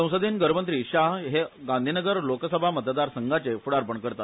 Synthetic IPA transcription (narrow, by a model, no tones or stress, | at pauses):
ə̃w̃səd̪ʱiːnɡəɾmənt̪ɾiːɕaɦɦeɡãnd̪ʱinəɡəɾloksəbʱamət̪d̪aɾsəŋɡʱat͡sefuɽaɾpəɳkəɾt̪at̪